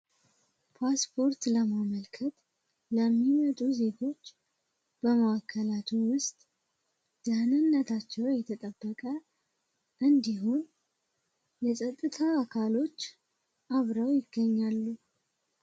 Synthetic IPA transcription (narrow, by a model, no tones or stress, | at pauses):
pʰaspʰo̞ɾt̪ləmaməlkʰət̪ | ləmːimət̪ʼuze̞ɡo̞t͡ʃː | b̥əmaakʰːəlat̪ʰuwʊst̪ʼ | d̪̥əhnɨnːət̪ʰat͡ʃːɛwɛt̪ʰət̪ʼəbːəkʼə | ʔɨnd̪iɦun | jɛsʼət̪ʼːɨt̪ʰaːkʰalo̞t͡ʃː | ʔaβɾəwjɪɡːəɲːalːu